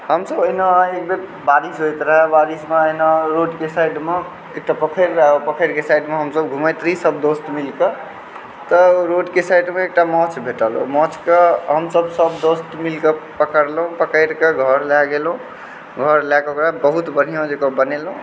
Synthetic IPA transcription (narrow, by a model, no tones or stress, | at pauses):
ɦəmsəbənaek̚be | baɾisɦojt̪ɾəɦɛbaɾismeəɦnaɾoɖkesajɖme | ek̚ʈapəkʰəɾaopəkʰəɾkesajɖmeɦəmsəbɡʱuməjt̪ɾisəb̚d̪ost̪milke | t̪əɾoɖkesajɖmẽek̚ʈamɔ̃t͡ʃbʱeʈəlo̰mɔ̃t͡ʃkeɦəmsəbsəbd̪ost̪milkepəkəɾlɦũpəkəjɾkeɡʱəɾlaɡelũ | ɡʱəɾlakkɾabəɦut̪bən̤ijõd͡ʒekəbənelɦũ